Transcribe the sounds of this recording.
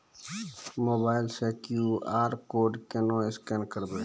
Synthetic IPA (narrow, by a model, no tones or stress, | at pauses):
moːbaːɪlseːkjuaːɾkoːɖkenõːɪskeːnkəɾd̪eː